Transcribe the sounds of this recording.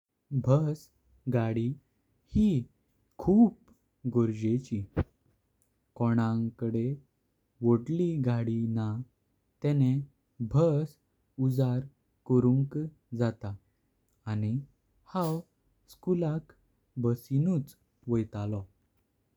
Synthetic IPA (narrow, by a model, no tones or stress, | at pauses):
bʱəs | ɡaɽi | hi | kʰuːp | ɡoɾd͡ʑet͡ɕi | kɔɽ̃ãŋkəɽe | ʋoɽliɡaɽina | t̪ɛne | bʱəs | ud͡zaɾ | kəɾũŋk | d͡zat̪aː | ni | haw | skulak | bəsinut͡s | ʋəjt̪alɔ